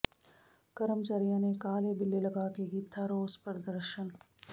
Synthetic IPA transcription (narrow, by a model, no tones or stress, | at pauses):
kɐɾəmt͡ʃaːɾijanekaːlebɪlːelɐɡaːkeɡit̪ʰːaɾoːzpəɾd̪əɾʃən